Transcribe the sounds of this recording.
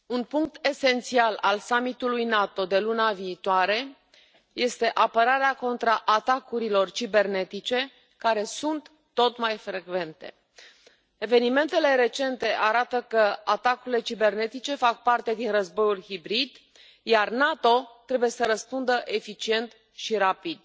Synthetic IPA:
unpuŋk̚t̪e̞se̞nt̪sialalsamit̪ulujnat̪o̞d̪e̞lunaviːt̪oaɾe̞ | je̞st̪e̞ʔapəɾaɾeako̞nt̪ɾaʔat̪akuɾilo̞rt͡ʃibe̞rne̞t̪it͡ʃe̞ | kaɾe̞sunt̪ː | o̞t̪majfɾe̞ɡve̞nt̪e̞ | e̞ve̞nime̞nt̪e̞le̞ɾe̞t͡ʃe̞nt̪e̞ʔaɾat̪əkəat̪akuɾile̞t͡ʃibe̞rne̞t̪it͡ʃe̞fak̚part̪e̞d̪inrəzbo̞julhibɾid̪ | jarnat̪o̞t̪ɾe̞buje̞səɾəspund̪əʔe̞fit͡ʃie̞nt̪ | ʃiɾapid̪

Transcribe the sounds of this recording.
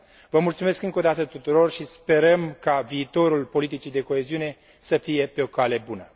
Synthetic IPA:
vəmult̪sume̞skɨŋko̞d̪at̪ət̪ut̪uɾo̞rʃispe̞ɾəmkaviːt̪o̞ɾulpo̞lit̪it͡ʃid̪e̞ko̞e̞ziune̞ | səfije̞pe̞o̞kale̞bunə

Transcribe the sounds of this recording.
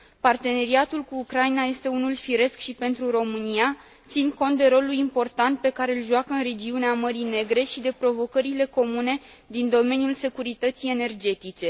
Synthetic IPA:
part̪e̞ne̞ɾiat̪ulkuːkɾainaje̞st̪e̞unulfiɾe̞skʃipe̞nt̪ɾuɾo̞mɨnia | t̪sinko̞nt̪̚d̪e̞ɾo̞lulimpo̞rt̪ant̪̚pe̞kaɾe̞ɨlʒuakəɨnre̞d͡ʒiuneaməɾine̞ɡɾe̞ʃid̪e̞pɾo̞vo̞kəɾile̞ko̞mune̞ | d̪ind̪o̞me̞njulse̞kuɾit̪ət̪sie̞ne̞rd͡ʒe̞t̪it͡ʃe̞

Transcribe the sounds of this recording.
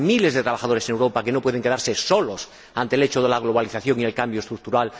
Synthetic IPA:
mile̞zðet̪ɾaβaxaðo̞ɾesenewɾo̞pake̞no̞pwe̞ð̞e̞ŋke̞ðaɾseso̞los | ant̪ele̞t͡ʃoðe̞laɣ̞lo̞β̞aliθaθjõ̞ŋielkambjoest̪ɾuk̚t̪uɾal

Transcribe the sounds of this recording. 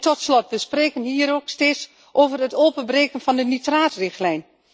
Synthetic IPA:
tɔtslɔtʋəspreːkənhiːəɾoːksteːs | ʔoːvərətoːpənbreːkənfɔndənitraːtrɪxtlɛjn

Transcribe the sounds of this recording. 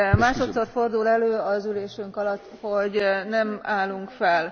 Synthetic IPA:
maːʃo̞t̪so̞rfo̞rd̪ulɛløːɒzyleːʃyŋkɒlɒt̪ːho̞ɟnɛmaːluŋkfɛl

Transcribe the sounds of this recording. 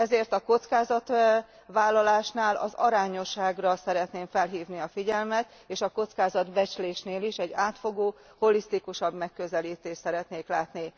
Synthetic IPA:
ɛzeːrt̪ɒko̞t̪skaːzɒt̪ | ʋaːlːɒlaːʃnaːlɒ̰zɒ̰ɾaːɲo̞ʃːaːɡrɒsɛɾɛt̪neːɱfɛlɦiːvniɒfiɟɛlmɛt̪ | eːʃɒko̞t̪skaːzɒd̪bɛt͡ʃleːʃneːliʃɛɟːaːt̪fo̞ɡoː | ho̞list̪ikuʃɒbmɛkːøzɛliːt̪eːʃsɛɾɛt̪neːklaːt̪ni

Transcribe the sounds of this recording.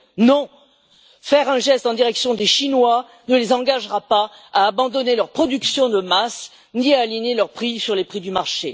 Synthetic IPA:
nɔ̃ | fɛʁɛ̃ʒɛst̪ɑ̃d̪iʁɛksjɔ̃d̪eʃinwa | nəlezɑ̃ɡaʒʁapaaːbɑ̃d̪ɔnelœʁpχɔd̪yksjɔ̃d̪əmas | niaːliɲelœʁpχisyʁlepχid̪ymaʁʃe

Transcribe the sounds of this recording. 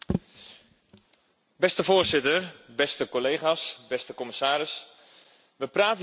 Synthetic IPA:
bɛstəvoːrsɪtərbɛstəkoleːχasbɛstəkoməsaːɾɪs | ʋəpraːtə

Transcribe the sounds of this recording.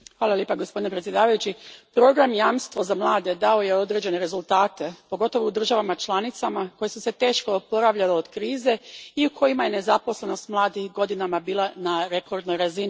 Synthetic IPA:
xʋaːlˠaljeːpaɡo̞spo̞d̪inepɾet̪sʲje̞d̪aːʋajut͡ɕipɾo̞ɡɾamjaːmst̪ʋo̞zamlˠaːd̪e̞d̪ao̞je̞o̞d̪ɾe̞d͡ʑe̞ne̞ɾe̞zulˠt̪aːt̪e̞po̞ɡo̞t̪o̞ʋoud̪r̩ʒaʋamat͡ʃlˠanit̪samako̞je̞suse̞t̪e̞ːʃkopo̞ɾaʋʎaleod̪̥kɾiːze̞iukʰo̞jimaje̞ne̞zapo̞sle̞no̞st̪mlˠaːd̪ixɡo̞d̪inamabiːlˠanaɾe̞kʰo̞ɾd̪nojɾazini

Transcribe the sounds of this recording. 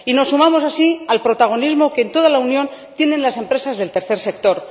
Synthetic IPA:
ino̞sːumamo̞sasialpɾo̞t̪aɣ̞o̞nizmo̞kent̪o̞ð̞alaunjõ̞nt̪je̞ne̞nlase̞mpɾe̞sazðe̞lt̪e̞ɾθe̞ɾse̞k̚t̪o̞ɾ

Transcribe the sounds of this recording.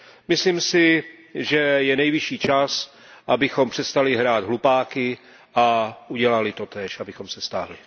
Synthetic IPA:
mɪslimsɪ | ʒɛjɛnɛjvɪʃiːt͡ʃas | ʔabɪxo̞mpr̥ɛst̪alɪɦɾaːd̪ɦlupaːkɪ | ʔauɟɛlalɪt̪ot̪ɛːʃʔabɪxo̞msɛst̪a̰ːɦlɪ

